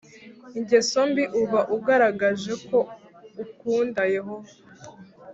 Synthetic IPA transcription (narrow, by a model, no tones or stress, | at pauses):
iɲɟe̞so̞mbiʔuβaʔuɡaɾaɡaʒe̞ko̞ | ukuːndajeɦo